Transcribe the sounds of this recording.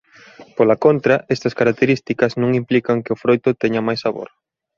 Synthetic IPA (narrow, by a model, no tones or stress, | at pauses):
polɐkont̪ɾɐʔɛst̪ɐskaɾak̚t̪eɾist̪ikɐznũŋimplikɐŋkɪʊfɾojt̪ʊt̪ɛɲɐmajsaβo̰ɾ